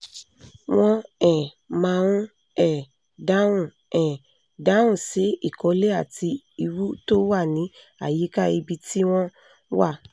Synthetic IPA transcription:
w̃ɔ̃˧ɛ̃˨ | mãː˧ũ˦ | ɛ˨ | da˦ũ˦˨ | ɛ̃˨ | da˨˦wũ˦˨si˨˦i˦˨kɔ˨˧˦le˦a˦˨ti˧ | i˧wu˦to˦wa˦˨nĩ˨˦ | a̰˦˨ji˨˦ka˦i˧bi˧ti˦w̃ɔ̃˦ | wa˦˨

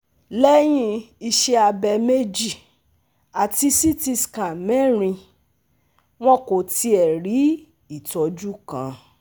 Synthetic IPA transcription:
lɛ˦j̃ĩ˧i˧ʃe˧a˧bɛ˧me˦d͡ʒi˦˨ | a˨ti˧si˦ti˦˧ska˨mɛ˦ɾ̃ĩ˧ | w̃ɔ̃˦ko˨ti˧˦ɛ˨ɾi˨˦ | i˦˨tɔ˧d͡ʒu˦kã̰˨˦

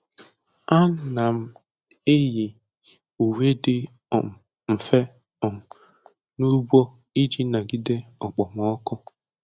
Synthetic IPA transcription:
a˦na˨m̩˦ | e˦ji˨ | u˨we˦dɪ˦ | ɔ˨m˨ | m̩˨fe˦ | ɔ˨m̩˨ | nu˦bʷo˦ | i˦d͡ʒi˦na˨ɡi˦de˦ɔ˨k͡pɔ˨m˨ɔ˦kɔ˦

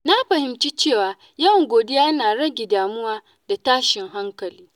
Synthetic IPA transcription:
na˦ɸɐ˨hɪ˨mt͡ʃiː˦t͡ʃeː˦˨waː˨ | jɐ˦wŋɡʷoː˨dɪ˦jaː˦naː˨ɽɐ˦ɡʲe˨daː˨mʊ˦waː˦ | da˨taː˦ʃɪ˨ŋɦa˦ŋkɐ˨liː˦

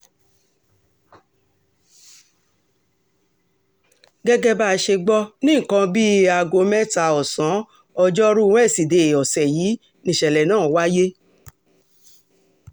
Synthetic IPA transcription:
ɡɛ˦ɡɛ˦ba˦˧ʃe˧ɡ͡bɔ˦nĩ˦˨kã˧bi˦a˧ɡo˧mɛ̃˦ta˧˨ɔ˨sã˨˦ | ɔ˧d͡ʒɔ˦ɾũ˦˨˦ɛ˦˨si˨de˨ɔ˨sɛ˨jiː˨˦ | nĩ˨ʃɛ˨lɛ˨nãː˦˨wa˦je˦

